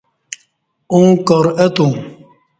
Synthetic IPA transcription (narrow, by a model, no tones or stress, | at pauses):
ũŋkɔɾɛt̪u